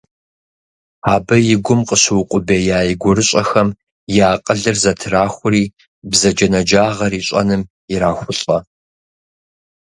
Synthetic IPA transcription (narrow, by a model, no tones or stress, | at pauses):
aːbɐjɪɡʷʊmqəɕɨwʊqʷʼʊbeːjaːjiɡʷʊɾɨɕʼɐxɐm | jaːqʼəɮɨrzɐtʰɨraːxʷʊɾiː | bzɐd͡ʒɐnɐd͡ʒaːʁɐriːɕʼɐ̰nɨm | ɪɾaːxʷʊɬʼɐ